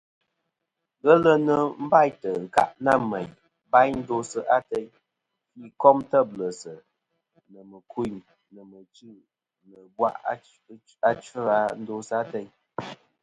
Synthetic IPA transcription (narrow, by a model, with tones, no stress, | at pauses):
ɣə˦lə˦nə˦m̩˦ba˦˨jtə˨ŋ̩˨ka̰˦ʔna˦˨me˨j | ba˦jn̩˦do˦sə˦ʔa˦te˦ɲ | fi˦kɔ˦mtə˦blə˨sə˨ | nə˨mə˨kʰu˦˨ɲ | nə˨mə˨t͡ʃʉ˦˨ | nə˨bwa̰˦˨ʔ | a˦t͡ʃə˦a˦n̩˦do˦sə˨a˦te˦j